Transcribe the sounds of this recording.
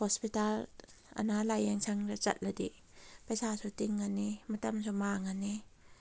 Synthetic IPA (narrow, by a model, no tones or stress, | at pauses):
hɔspital | a̰nalajeŋsʰaŋɾat͡ʃɐ̰t̚ladi | pajsasɔtiŋːanimɐtɐmsʰɔmaŋani